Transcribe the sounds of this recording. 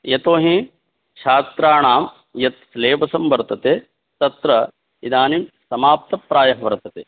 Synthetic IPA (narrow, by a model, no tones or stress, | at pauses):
jɐt̪oːɦĩ | ʃaːst̪ɾaːɳaːm | jɐt̪̚sleːʋɐsɐmʋɐɾt̪ɐt̪eː | t̪ɐt̪ɾɐ | id̪aːnimsɐmaːp̚t̪ɐpːɾaːjɐɦɐʋɐɾt̪ɐt̪eː